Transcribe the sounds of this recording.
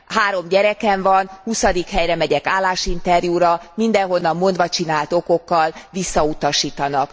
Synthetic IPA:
haːɾo̞mɟɛɾɛkɛɱvɒnhusɒd̪ikhɛjrɛmɛɟɛkaːlːaːʃint̪ɛrjuːɾɒmind̪ɛŋɦo̞nːɒmːo̞nd̪ʋɒt͡ʃinaːlt̪o̞ko̞kːɒlvisːɒut̪ɒʃiːt̪ɒnɒk

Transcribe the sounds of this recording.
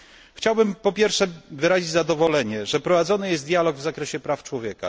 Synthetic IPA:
xt͡ɕawbɘmpɔpʲjɛɾfʂɛvɘɾaʑid͡ʑzad̪ɔvɔlɛɲɛʐɛpɾɔvad̪zɔnɘjɛst̪d̪jalɔɡvzakɾɛɕɛpɾaft͡ʂwɔvʲjɛka̰

